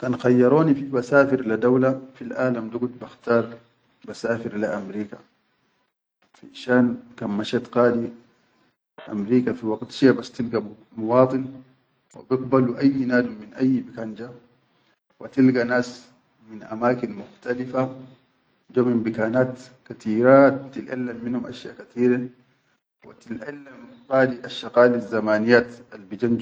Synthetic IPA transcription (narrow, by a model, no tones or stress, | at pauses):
kanxajːɑɾˤoːnifibasaːfiɾlad̪awlafilʔaːlamd̪uɡut̪baxt̪ɑːɾˤ | basaːfiɾlaʔamɾiːka | fḭʃaːnkammaʃat̪qaːd̪i | ʔa̰mɾiːkafiwaɡt̪ʃiabast̪ilɡa | mwɑːt̪ˤɨn | wa̰bɪɡ̚baluʔajːnaːdumːinʔajːbikand͡ʒa | wat̪ilɡanaːs | minʔa̰maːkinmʊxt̪alifa | d͡ʒoːmimbikaːnaːt̪kat̪iːɾat̪ilʔa̰lːamːinhumʔa̰ʃja̰ːʔkat̪iːɾa | wa̰t̪ilʔalːam | qaːd̪iʔaʃaqaːlizamaːnijaːt̪albid͡ʒand͡ʒ